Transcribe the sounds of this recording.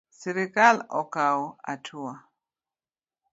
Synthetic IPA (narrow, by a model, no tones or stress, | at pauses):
siɾikalɔkawɔa̰tʰuwa